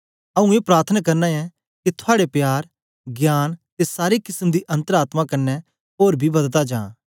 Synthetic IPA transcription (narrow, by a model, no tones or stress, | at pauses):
ɐũeːpɾaːɾt̪ʰənakɐɾnãɛ | kit̪ʰʊaːɽepjaːɾ | ɡjaːnt̪esaːɾikɪsəmd̪iʔɐ̃nt̪əɾaːt̪mãkɐnːɛ | ɦoːɾbʱibɐd̪t̪ad͡ʒã̰ː